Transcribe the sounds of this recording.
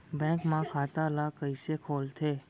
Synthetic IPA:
bɛ̃ŋkmãkʰat̪alakəjsekʰolt̪ʰe

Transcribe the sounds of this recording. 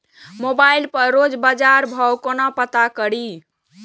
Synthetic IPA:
mobailpəɾɾod͡ʒbad͡ʒaɾbʱɔwkonapət̪akəɽi

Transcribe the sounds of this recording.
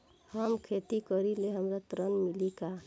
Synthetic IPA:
həmkʰet̪ikəɾileɦəmɾat̪ɾənmilika

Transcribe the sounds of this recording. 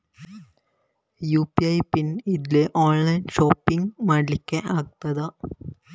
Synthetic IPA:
juːpiɐjpinid̪ileʔoːnlɐjnʂoːpːiŋɡmaːɽlikʲːɐʔaːkt̪ːɐðɐ

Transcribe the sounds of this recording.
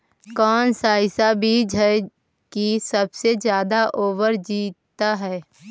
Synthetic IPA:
kɔːnsaːɪsabʱiːd͡ʒɦɛ | kisəbsed͡ʒjaːd̪aʔoːʋəɾd͡ʒiːt̪t̪aɦɛː

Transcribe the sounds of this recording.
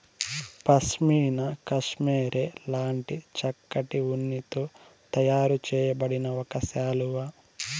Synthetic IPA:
pɐʃmiːnɐkɐʃmeːɾeːlaːɳʈit͡ʃɐkːɐʈiunːit̪oː | t̪ɐjaːɾut͡ʃɛːjɐbɐɽinɐɔkɐsaːluʋɐ

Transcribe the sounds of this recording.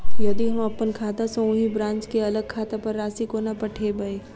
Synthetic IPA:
jɐd̪iɦɐmɐpːənkʰaːt̪asõʊɦibɾãːnt͡ʃkeɐləɡ̚kʰaːt̪apɐɾːaːsikonɐpɐʈʰebɐeː

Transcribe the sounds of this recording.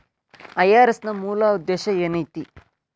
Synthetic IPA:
ɐjaːɾesnɐmuːlaːud̪ːɛːʃɐeːnɐjt̪i

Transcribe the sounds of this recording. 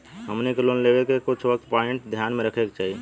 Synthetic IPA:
ɦəmnekelonlebekekʊt͡ʃʰʋək̚t̪paiɳʈd̪ʱjanmeɾəkʰekt͡ʃaɦi

